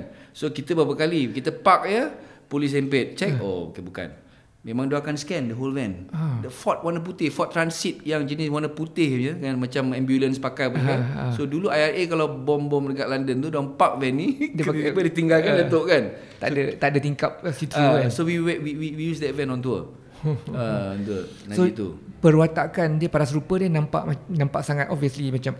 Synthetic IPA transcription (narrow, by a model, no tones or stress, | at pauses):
nsokit̪əbapəkalikit̪əpak̚jəpolis̬ɛmpet̪̚t͡ʃɛk̚o̰o̰kebuka̰n | mẽmãŋdoakanskɛndəɦolvɛndəfɔt̪̚wanəp̬ut̪ɪhfɔt̪ːɾansit̪̚jaŋd͡ʒənɪswanəput̪ɪhjəŋanmat͡ʃamɛmbjulənspakajp̬əkasoduluajarekalawbɔmbɔmdəkaʔlandənt̪udɔmpak̚vɛnːĩdəabədit̪iŋɡalkandat̪oʔkan | t̪a̰ʔdət̪aʔdət̪iŋkap̚sit̪uasowiwɛwiwiwijusdɛtvɛnɔ̃nt̪̬uə̰ | əɔnt̪uə | nãsoit̪ṵpəɾuat̪aʔkandiəpaɾas̬ɾupədiənãmpa̰ʔnãmpa̰ʔsaŋat̪ʔɔviəslimat͡ʃam